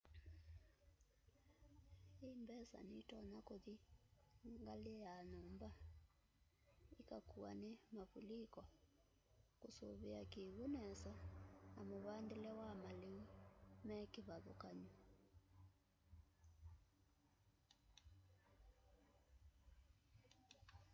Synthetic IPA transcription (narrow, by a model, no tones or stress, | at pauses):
embɛsa̰nitɔnakoði | ŋɡaleɛjanɔmba | ikakua̰nɛmaβulikɔ | kosoβeakeɣonɛsanamoβandilɛwamaleumɛkeβaðokaɲu